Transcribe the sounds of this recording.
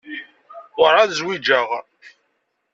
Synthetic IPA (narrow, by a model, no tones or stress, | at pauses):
ɾaðzwid͡ʒaʁ